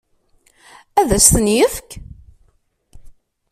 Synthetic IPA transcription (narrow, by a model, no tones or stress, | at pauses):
æðæsθənjəfk